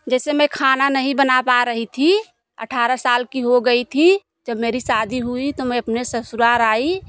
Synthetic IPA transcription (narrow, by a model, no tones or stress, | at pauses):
d͡ʒɛːsemɛ̃kʰaːnanəɦĩbənapaɾəɦit̪ʰi | ə̰ʈʰaːɾasaːlkiɦoɡəit̪ʰi | d͡ʒəbmeːɾisaːd̪ʱiɦuit̪omɛ̃ɐpnesəsuɾaːɾaːi